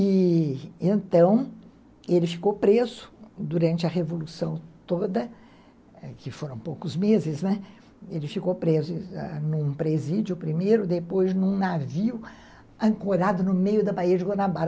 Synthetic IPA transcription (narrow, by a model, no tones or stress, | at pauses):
ɪ | ẽnt̪ɐ̃w̃ | elɪfi̥kopɾezʊ̥d̪uɾɐ̃nt͡ʃɪɐɦevolusɐ̃w̃t̪od̪ɐ | kɪfoɾɐ̃w̃powkʊzmezɪznɛ | elɪfikopɾezʊɛnũpɾezid͡ʒʊpɾimejɾʊd̪epojznũnaviʊ | ɐ̃ŋkoɾad̪ʊnʊmejʊd̪ɐbaiɐd͡ʒɪɡonabaɾ